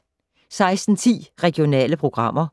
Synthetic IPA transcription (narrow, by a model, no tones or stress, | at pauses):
sɑ̈ɪsd̥n̩t͡sʰḭːʁɛɡ̥io̝nɛ̰ːləpʰʁo̝ɡ̥ʁɑ̈m̰ɐ